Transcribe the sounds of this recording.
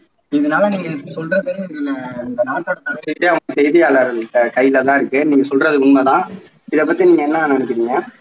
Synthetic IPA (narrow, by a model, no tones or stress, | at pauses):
ɪðɐnaːlɐniːŋɡɐsɔlɾɐpeːɾɪðɪlɐɪnd̪ɐnaːʈːɔɽɐt̪ːɐɣɐɾɪteːɐʋɐŋɡɐsɛjðɪjaːlɐɾʈːɐkɐjːɪlɐt̪ãːɪɾɯkːɯniːŋɡɐsɔlrɐðɯʊɳmɐt̪ãː | ɪðɐp̬ːɐt̪ːiniːŋɡɐɛnːɐːnɐɳɯkːɪɾiːŋɡɐ